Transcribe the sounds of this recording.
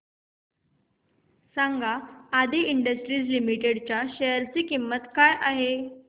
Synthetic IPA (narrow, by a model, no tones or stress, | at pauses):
saŋɡʱaːd̪iiɳɖəsʈɾiːd͡zlimiʈeɽt͡ɕjaɕəjəɾt͡siːkimːət̪kajʔaɦe